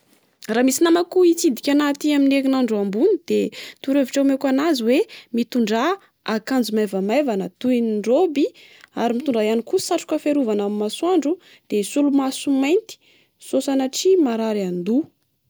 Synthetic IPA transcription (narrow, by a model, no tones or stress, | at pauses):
raːmisinamakuit͡sid̪ikʲanat̪iaminekinaɳɖ͡ʐuambunid̪̥et̪uɾeviʈ͡ʂamekanaziwemit̪uɳɖ͡ʐa | akand͡zumajvamajvanat̪uiniɳɖ͡ʐobia̰ɾimit̪uɳɖ͡ʐajaniku̥saʈ͡ʂu̥kəfeɾuvanamimasuaɳɖ͡ʐu | d̪̥esulumasumajnt̪i̥ | sosanaʈ͡ʂimaɾaɾand̪u